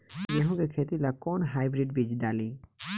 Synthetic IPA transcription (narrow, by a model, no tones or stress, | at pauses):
d͡ʒeɦõɡekʰet̪ilakɔnɦajbɾiɖbid͡ʑd̪ali